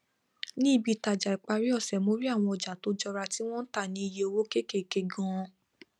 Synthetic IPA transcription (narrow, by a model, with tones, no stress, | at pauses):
nĩ˦i˦˨bi˧ta˨d͡ʒa˨i˨k͡pa˧ɾi˦ɔ˦˨sɛ˨mo˨˦ɾi˦a˦˨w̃ɔ̃˧ɔ˨d͡ʒa˨to˨˦d͡ʒɔ˧ɾa˧ti˦w̃ɔ̃˦n̩˦ta˦˨nĩ˨˦i˧je˧o˧wo˦ke˦˨ke˦˨ke˧ɡã˦˧